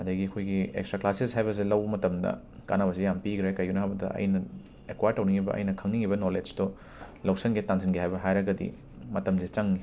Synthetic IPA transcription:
ɐdɐɡiɐkʰojɡiḛkstɾaklaseshajβɐs̬ilɐwbɐmɐtɐmdɐ̰ | ka̰nabɐsijampiɡɾekɐjunɐɦabɐdɐ̰ʔɐ̰jnɐ | ekwajɾtːɐwniŋibɐ̰ʔɐ̰jnɐkʰɐŋniŋibɐnoled͡ʒto | lɐwsɐŋɡetansinɡiɦajbɐɦajɾɐɡɐdḭ | mɐtɐmsit͡ʃɐŋːi

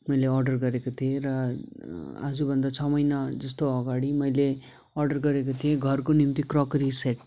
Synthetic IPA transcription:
mʌjleʌrɖʌrɡʌɾekot̪ʰieɾʌ | a̰d͡zubʱʌnd̪at͡sʰʌmʌjnad͡zʌst̪oʌɡaɽimʌjle | ʌrɖʌrɡʌɾek̬ot̪ʰieɡʱʌrkonimt̪ikrokriseʈ

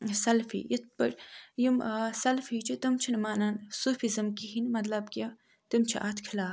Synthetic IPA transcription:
sɐlfḭːjit̪̚pəɾjimsɐlfit͡ʃʰit̪ɐmt͡ʃʰinmaːnaːnsuːfizɨmkiɦinmɐt̪lɐbkɐ | t̪imt͡ʃʰiʔaːt̪ʰkʰilaː

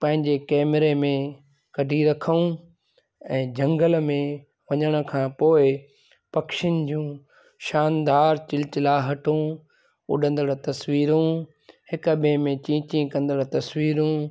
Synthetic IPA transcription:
pɐ̃ɦɪ̃ɲd͡ʑekɛːmɾemẽ | kɐɖʱiɾɐkʰəũ | ɛ̃ːd͡ʑɐ̃ŋɡəlmẽ | ʋɐɲəɽ̃ə̆kʰãːpoːɪ | pɐkʃɪn̆d͡ʑũː | ʃaːnd̪aːɾt͡ɕɪlɪt͡ɕɪlaːɦɐʈʰũ | ʊ̰ɗʱə̃nd̪əɽt̪ɐsʋiːɾũ | hɪkbẽmẽt͡ɕĩːt͡ɕĩkɐ̃nd̪əɽt̪ɐsʋiːɾũ

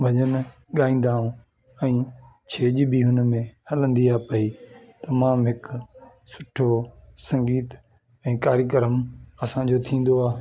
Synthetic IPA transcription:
bʱɐʄən | ɠaːĩːn̆d̪aːũː | ɛ̃ː | t͡ɕʰeːʄbʱiɦʊnmẽhɐlə̃nd̪iaːpɐiː | t̪ɐmãːmɦɪk | sʊ̥ʈʰosɐ̃ŋɡiːt̪ | ɛ̃ːkaːɾjək̬əɾəmɐsãd͡ʑoːt̪ʰĩːn̆d̪oaː

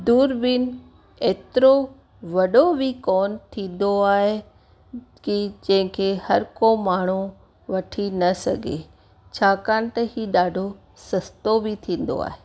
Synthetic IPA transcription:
d̪uːɾbɪn | eːt̪ɪɾo | ʋɐɗobikɔːnt̪ʰĩːn̆d̪oaːɦe | kid͡ʑɐ̃ɦɪ̃kʰeːhɐɾkomaːɳ̤u | ʋɐʈʰinɐsɐ̰ɡʱeː | t͡ɕʰaːkaːnɪ̆t̪ɐhiːɗaːɖʱo | sɐst̪obit̪ʰĩːn̆d̪o̰a̰ːɦeː

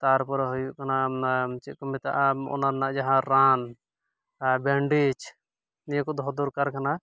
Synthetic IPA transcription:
t̪aɾpɔɾɦɔjukanat͡ʃikɔmit̪a̰ʔɔ̰naɾnaʔd͡ʒaɦãɾan | beɳɖit͡ʃʰ | nijkɔd̪ʱɔd̪uɾkaɾkana

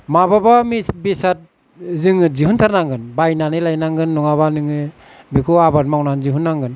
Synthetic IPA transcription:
mababamisbesat̚ | zɯŋɯzihuntʰaɾnaŋɡɯnbajnanɯlajnaŋɡɯnːɔŋaβanɯŋɯ | bekʰuabat̚mawnanziɦunːaŋɡɯn

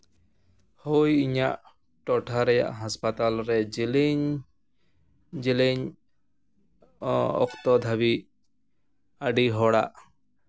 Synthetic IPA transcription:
hujiɲaʔ | ʈɔʈʰaɾɛja̰ʔɦaspat̪alɾɛd͡ʒiliɲ | d͡ʒileɲ | ɔ̰kt̪ɔd̪ʱabi | aɖiɦɔɽa̰ʔ

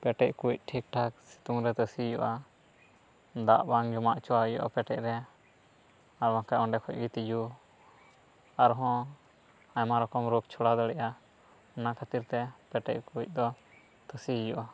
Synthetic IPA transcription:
pɛʈɛc̚kuc̚ʈʰik̚ʈʰak̚si̥t̪uŋɾɛt̪əsijɔʔa | d̪aʔbaŋd͡ʒɔmaʔt͡ʃɔwajɔ̰ʔa̰pɛʈɛʔ̚ɾɛ | aɾbaŋkaʔɔ̃ɳɖɛkʰɔc̚ɡit̪id͡ʒu | aɾɦɔ̃ | ajmaɾɔkɔmɾɔk̚t͡ʃʰɔɽad̪ɔɽɛʔa | nakʰat̪iɾt̪ɛpɛʈɛc̚kuic̚ˀd̪ɔ | t̪əsijɔʔa

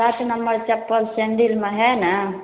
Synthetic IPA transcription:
aːʈ̪unɐmːɐɭt͡ʃɐpːɐlsend̪ilmɐɦena

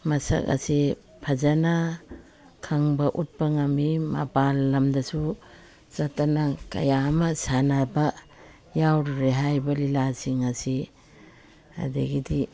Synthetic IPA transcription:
mɐsɐ̰ka̰si | pʰazana | kʰaŋbɐʔut̚pɐŋamima̰balːɐmdɐsu | z̥atanakɐ̰jamɐsanabɐ | jawɾɾeɦajbɐlilasiŋɐsi | a̰deɡidi

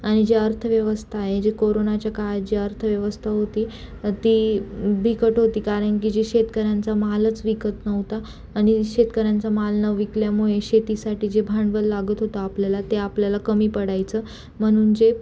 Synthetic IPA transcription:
aɽ̃id͡ʑeəɾt̪ʰəʋjəʋəst̪ʰaːɦed͡ʑekoɾonat͡ɕjakaat̪̚d͡ʑeəɾt̪ʰəʋjəʋəst̪ʰaɦot̪iː | t̪iːbʱikəʈɦot̪iːkaɾəɳk̬id͡ʑiɕet̪kəɾjant͡samalət͡sʋikət̪nəʋt̪aː | ɽ̃iɕet̪kəɾjãnt͡samalnəʋʋikljamuɭeɕet̪isaʈiːd͡ʑebʱaɳɖʋəlːaɡət̪ɦot̪əapljalat̪eapljalakəmiːpəɽajt͡səː | m̤əɽ̃uːnd͡ʑe

